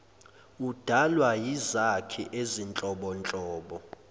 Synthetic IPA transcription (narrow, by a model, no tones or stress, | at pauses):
ud̥ʱalwajizakʰɛʔezint͡ɬʼɔɓɔnt͡ɬʼɔːɓɔ